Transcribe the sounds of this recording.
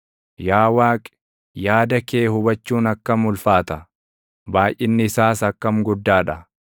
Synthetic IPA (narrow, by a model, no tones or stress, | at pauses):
jaːwaːkʼ | jaːd̪ɐkeːhʊbɐt͡ʃːuːnɐkːɐmʊlfaːt̪ɐ | baːjʔɪnːɪɪsaːsɐkːɐmɡʊd̪ːaːᶑɐ